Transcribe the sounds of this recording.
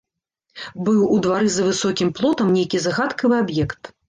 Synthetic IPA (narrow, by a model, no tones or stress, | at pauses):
bɨwud̪vaɾɨzɐvɨsɔkʲimplˠɔt̪ɐmnʲejkʲizaɣat̪kɐvɨabjɛkt̪